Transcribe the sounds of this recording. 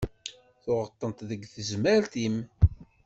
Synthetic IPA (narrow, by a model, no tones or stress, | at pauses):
θʊʁət̪ˤːənt̪ðəɡθəzmæɾt̪im